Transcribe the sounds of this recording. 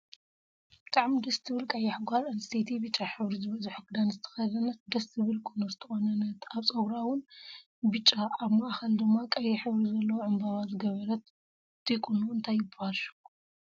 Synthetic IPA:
bɨt̪ʰʼaʕmid̪ɐst̪ʰɨβɨlkʼɐjːɛħɡʷalɐnst̪ʰet̪ʰibɨt͡ʃʼːaħɨβɾizɨβɐzuħukʰɨd̪anzɨt̪ʰɐ̥xɐd̪ɐnɐt̪d̪ɐst̪ʰɨβɨlkʰonozɨt̪ʰɐxonɐnɐt̪aβt͡sʼɐwɾawʊn | bɨt͡ʃʼːaaβmaʔxɐld̪ɨmːakʼɐjːɛħɨβɾizɐlːɐwoʕɨmbaβazɨɡɐβɐɾɐt̪ | t̪ʰɐkʼunuɨnt̪ʰajːɪbɐhalʃu̥

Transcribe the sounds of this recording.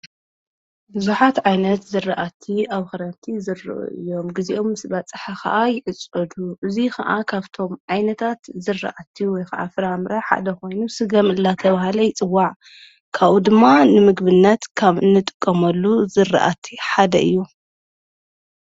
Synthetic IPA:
bɨzuħat̪ʕajnɐt̪zɨrːaʔat̪ʰiaβxɐɾat̪ʰizɨɾɨ̰ʔṵʔɨ̰jːo̞mɡɨziʔo̞mːɨsbat͡sʼɨħakɐ̰ʔajɪʔɨt͡sʼːod̪uʔɨzixɐʔakʰaβt̪ʰo̞mʕajnɐt̪ʰat̪zɨrːa̰ʔat̪ʰiwɔjxɐʔafɨɾamɾɐħa̰d̪ɐko̞jnusɨɡɐmɨlːat̪ʰɐβahlɐjt͡sʼɨwːaʕ | kʰaβʔud̪ɨmːanɨmɨɡbɨnːɐt̪kʰaβɨnːɨt̪ʼɨ̥kʼːɐmɐlːuzɨrːa̰ʔa̰t̪ʰiħad̪ɐʔɨjːu

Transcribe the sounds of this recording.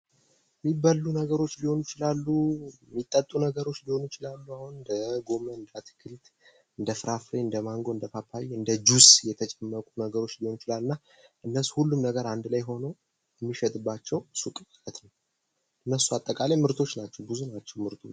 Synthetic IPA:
ɛmːibəlːunəɡəɾo̞t͡ʃːliho̞njɪt͡ʃɪlalːujjɛmːit̪ʼːət̪ʼːunəɡəɾo̞t͡ʃːliho̞njɪt͡ʃɪlalːuahunɨnd̪əɡo̞məɨnd̪at̪ʰkʰɨlt̪ | ɨnd̪əfɨɾafɾeɨnd̪əmaŋɡoɨnd̪əfʰapʰːajɨnd̪əd͡ʒusjɛt̪ʰət͡ʃʼɛmːəkʼunəɡəɾo̞t͡ʃːliho̞nɪt͡ʃɪlalːɨnːa | ʔɨnːəsuhulːumnəɡəɾand̪lajɦo̞nəw | jɛmːiʃɛt̪ʼɨbːat͡ʃːɛwsut̪ʼɨkʼəkət̪nəw | ʔɨnːəsːuat̪ʼːəkʼalemɨɾt̪ʰo̞t͡ʃːnat͡ʃːɛwbuzunat͡ʃːɛwmɨɾt̪ʰo̞t͡ʃː

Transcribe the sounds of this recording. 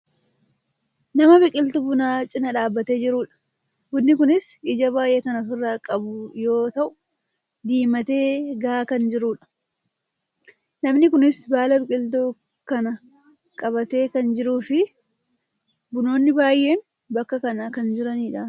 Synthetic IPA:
nɐmɐbɪkʼɪlt̪ʊbʊnaːt͡ʃʼɪnɐᶑaːbːɐt̪eːd͡ʒɪɾuːᶑɐ̥ | bʊd̪nɪkʊnɪsɪd͡ʒɐbaːjʔeːkɐnɐfɪrːaːkʼɐbʊjo̞ːt̪ɐʔʊ | d̪iːmɐt̪e̞ːɡaːkɐnd͡ʒɪɾuːᶑɐ̥ | nɐmnɪkʊnɪsbaːlɐbɪkʼɪlt̪u | kɐnɐ | kʼɐbɐt̪e̞ːkɐnd͡ʒɪɾuːfɪ | bʊno̞ːnːɪbaːjʔe̞ːn | bɐkːɐkɐnakɐnd͡ʒɪɾɐniːᶑaː

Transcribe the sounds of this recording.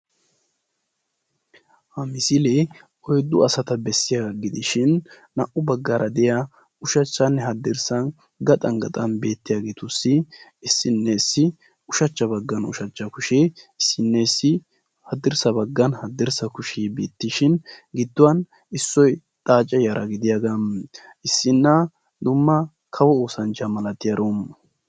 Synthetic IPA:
hɐmɪsɪle | ʔɔjd̪ʊɐsɐt̪ɐbɛsːɪjaɡɪd̪ɪʃɪnː | ɐʔʊbɐɡːɐɾʔɐd̪ɛja | ʊʃɐt͡ʃːɐnːɛɦɐd̪ːɪɾsɐn | ɡɐt̪ʼɐnɡɐ̰t̪ʼɐnbe̞ːt̪ːɪjaɡeːt̪ʊsːɪɪsːɪnːɛɪsːɪ | ʊʃɐt͡ʃːɐbɐɡːɐnʊ̰ʃɐt͡ʃːɐkʊʃeɪsːɪnːɛɪsːɪ | hɐd̪ːɪɾsɐbɐɡːɐnhɐd̪ːɪɾsɐkʊʃeːbḛːt̪ːɪʃɪnɡɪd̪ːʊwɐn | ɪsːɔj | t̪ʼaːt͡ʃʼːɐjaɾɐ̰ɡɪd̪ɪjaɡam | ʔɪsːɪnːɐ | d̪ʊmːɐ | kʰɐwɔoːsɐnd͡ʒamɐlɐt̪ːɪjɐɾoːmːɐ

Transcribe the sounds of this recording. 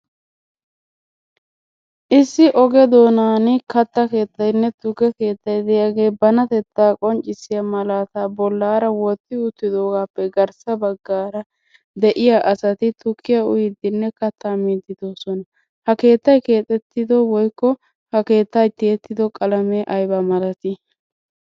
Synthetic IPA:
ʔɪsːɪʔɔɡɛd̪o̞ːnaːnɪkɐt̪ːɐke̞ːt̪ːɐjnːɛt̪ʊɡɛke̞ːt̪ːɐjd̪ɛjɐɡeːbɐnɐt̪ɛt̪ːaːkʼɔnt͡ʃʼːɪsɪjɐmɐlaːt̪aːbɔlːaːɾɐwɔt̪ːɪʊt̪ːɪd̪oːɡaːpːɛɡɐɾsɐbɐɡːaːɾɐ | d̪ɛʔɪjaʔɐsɐt̪ɪt̪ʊkːɪjɐʊjɪd̪ɪnːɛkɐt̪ʰːaːmiːd̪ːɪd̪oːsɔnɐ | hɐke̞ːt̪ːɐjke̞ːt̪ʼɛt̪ːɪd̪ɔwɔjkːɔ | hɐke̞ːt̪ːaːt̪ːeːt̪ːɪd̪ɔkʼɐlɐmeʔɐjbɐmɐlɐt̪ɪ

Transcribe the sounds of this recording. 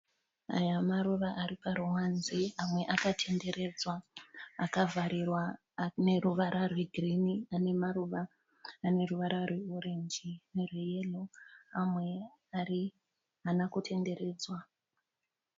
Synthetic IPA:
a̰jamaɾuʋaʔaɾipaɾuwanziamwe̞ʔakatʰe̞nde̞ɾe̞d͡zwaː | kavʱaɾirwa | ne̞ruʋaɾʔarwe̞ɡʱriniane̞maruʋaː | ne̞ruʋaɾarweoɾend͡ʒirweje̞loamwe̞ | ari | anakutʰe̞nde̞ɾe̞ːd͡zwa

